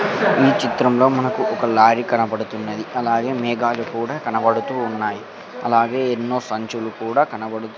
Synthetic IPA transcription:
iːt͡ʃit̪ɾɐmlo̞ːmɐnɐkuʔɔkɐlaːɾikɐnɐbɐɽut̪unːɐd̪iɐlaːɡe̞ːmɛːɡaːlukuːɽaːkɐnɐbɐɽut̪uːnːaːji | ɐ̰laːɡe̞ːenːo̞ːsɐɲt͡ʃulukuːɽaːkɐnɐbɐɽut̪u

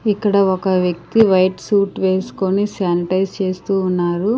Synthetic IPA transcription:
ikːɐɽɐɔkɐʋjɐk̚t̪iʋɐjʈsuːʈʋeːsu̥ko̞nisaːniʈɐjst͡ʃe̞ːst̪uːnːaːɾu

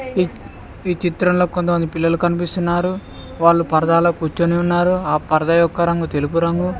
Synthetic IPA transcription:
iːt͡ʃit̪ɾɐmlo̞ːkont̪ɐmɐnd̪ipilːɐlukɐnipist̪unːaːɾu | ʋaːɭːupɐɾɐd̪aːloːkuːt͡ʃːoneːunːaːɾuaːpɐɾɐd̪ɐjɔkːɐɾɐŋɡut̪e̞lup̬uɾɐŋɡu

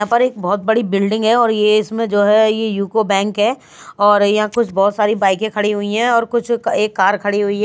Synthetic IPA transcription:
ãːpɐɾeːk̚bɔːt̪̚bɐɽibɪlɖɪ̃ŋɡɦɛɔːɾjeɪsmẽd͡ʒoːɦɛjejuːkobɛ̃ːŋkɦɛː | ɔːɾjɐɦãkʊt͡ʃʰbɔːt̪saːɾibaːɪkẽkʰɐɽiɦʊiɦɛ̃ɔːɾkʊt͡ʃʰeːkːaːɾkʰɐɽiɦʊiɦɛ

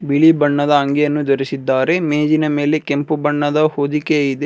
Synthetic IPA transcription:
biɭibɐɳːɐd̪ɐɐŋɡejɐnːud̪oɾisid̪ːaːɾe̞meːd͡ʒinɐme̞ːle̞kempubɐɳːɐd̪ɐhoːd̪ikeid̪e

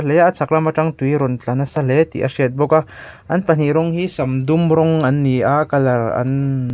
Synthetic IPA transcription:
lejaʔt͡sʰak̚lamaʈ͡ʂaŋt̪ujɾɔnt͡ɬanɐsalɛt̪ḭʔa̰siɛt̪̚bɔka | ʔɐnpan̥iɾɔŋɦisɐmd̪umɾɔŋɐnːiʔakalaɐ̰n

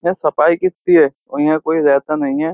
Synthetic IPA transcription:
ɛ̃sɐpaːikɪt̪ːiɦɛː | oĩãkoːiɾɛːt̪anɐɦĩɦɛː

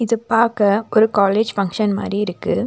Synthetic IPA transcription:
ɪðɯpːaːkɐʔɔɾɯkaːleːd͡ʒfɐŋkʂɐnma̰ːd̪ɾiɪɾɯkːɯ

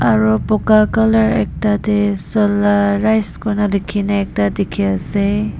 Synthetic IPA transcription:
aɾɔpɔkakalaɾek̚tadesɔlaːajskɔnalikʰinaek̚tadikʰiase

